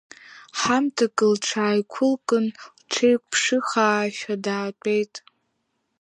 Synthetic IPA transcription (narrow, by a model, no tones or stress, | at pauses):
ħamtʰakʼɨlʈ͡ʂʰaːjkʷʰʊlkʼɨnlʈ͡ʂʰejkʷʼpʰʂɨχaːʃᶣadaːtʷʼejtʼ